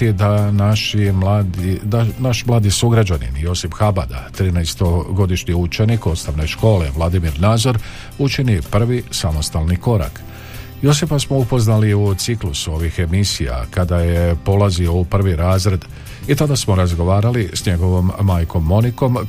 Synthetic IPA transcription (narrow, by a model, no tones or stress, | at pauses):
id̪anaʃimad̪id̪anaʃmlˠaːd̪isuɡɾad͡ʒanḭnjo̞sipxaba̰d̪a̰t̪ɾiːnɛjst̪o̞ɡo̞d̪iʃɲiut͡ʃe̞niko̞t̪st̪aʋne̞ʃko̞ːle̞ʋlˠad̪imiɾnaːd̪zo̞ɾ | ut͡ʃinipr̩ʋisamo̞st̪alˠniko̞ɾa̰k | jo̞sifasmo̞upo̞znaliut̪siklusuo̞ʋixe̞misija̰kad̪aje̞po̞lˠazio̞upr̩ʋiɾaːzɾe̞d̪ | it̪ad̪asmo̞ɾazɡo̞ʋaːɾalisɲe̞ɡo̞ʋo̞mːaːjko̞mːo̞niko̞m